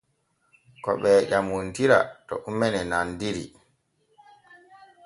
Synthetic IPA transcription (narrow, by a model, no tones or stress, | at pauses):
kɔ̰ɓɛʄamontiɾa̰tɔ̰ʔumːɛnɛnandiɾḭ